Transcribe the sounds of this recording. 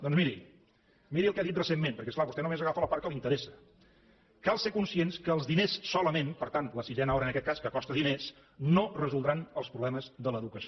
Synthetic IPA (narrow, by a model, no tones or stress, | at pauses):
d̪ɔnzmiɾi | miɾiəlˠkɛaðit̪rəsemːẽmpəɾkɛsklaβust̪ɛnomezəɣafələpaɾkəlˠint̪əɾesə̥ | kalˠsekunsienskəːlˠzðinesːɔləmenpəɾt̪ant̪ləsiʒɛnəɔɾənəkɛt̪̚kaskəkɔst̪əðines | norəzulˠd̪ɾanəlˠspɾuβlɛməzðələðukəs